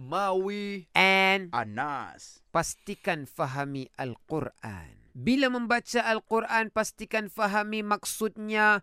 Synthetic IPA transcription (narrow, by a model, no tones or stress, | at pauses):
mawiʔɛnanas | past̪ikanfaɦamiʔalqurʔa̰nbilaməmbat͡ʃaʔːlqurʔanpast̪ikanfaɦamimaksut̪̚ɲa